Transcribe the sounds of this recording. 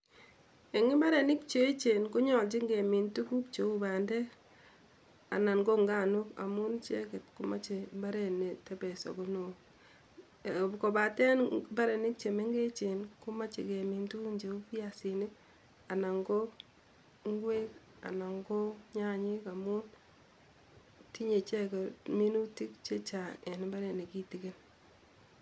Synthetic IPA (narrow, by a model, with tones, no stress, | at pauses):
e˨ŋi˦mba˦ɾe˨ni˦kt͡ʃe˦t͡ʃe˨nku˦ɲɔ˨lt͡ʃi˦ŋɡe˨mi˨ntu˦ku˦kt͡ʃe˨u˦ba˨ndɛ˦ | a̰˨na˨nɡo˦ŋɡa˦˨nu˦ka̰˨mu˦nt͡ʃe˦kɛ˨tku˦ma˦t͡ʃe˨mba˦ɾe˨ne˨tɛ˦bɛ˨so̰˨ku˦no˨ | ko˨ba˨tɛ˦nba˦ɾe˨ni˦k̚t͡ʃe˨me˦ŋɡe˦t͡ʃe˨nkʊ˦ma˦t͡ʃe˨ke˨mi˨ntu˦ɲd͡ʒe˨u˦pja˨sinɪ˦ | a˨na˨ŋɡo˦ | ŋ˦ɡwe˦k | a̰˨na˨ŋɡo˦ɲa˦ɲɪ˦ka˨mu˦n | ti˦ɲe˨t͡ʃɛ˦kɛ˨mi˦nu˦ti˦k̚t͡ʃe˦t͡ʃa˨e˨n˨ba˦ɾɛ˨ne˨ki˦ti˨ke˦n